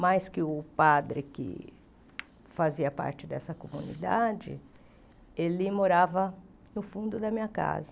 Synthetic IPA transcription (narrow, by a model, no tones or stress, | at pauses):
majskɪʊpad̪ɾɪkɪ̰ | faziɐpa̰ɾt͡ʃɪd̪ɛsɐkomunḭd̪a̰d͡ʒɪ̰ | elɪmoɾavɐ | nʊfũnd̪ʊd̪ɐmĩɲɐka̰zɐ